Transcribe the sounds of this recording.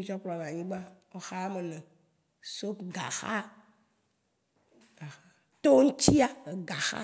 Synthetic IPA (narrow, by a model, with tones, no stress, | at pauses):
ĩ˦t͡ʃɔ˦pla˨n˨ã˨ɲĩ˦ɡ͡ba˦o˦xa˦me˨nẽ˨ | so˦pɡa̰˨xa̰˦ | ɡ̥a˨xa˦ | t̪o˦ŋ̩˦t͡ɕi˦a˨e˨ɡa˨xa̰˦